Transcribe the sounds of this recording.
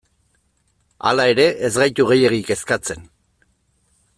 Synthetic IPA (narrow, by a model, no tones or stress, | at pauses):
a̰lae̞ɾe̞ʔezɣajt̪uɣ̞e̞je̞ɣike̞skat͡se̞n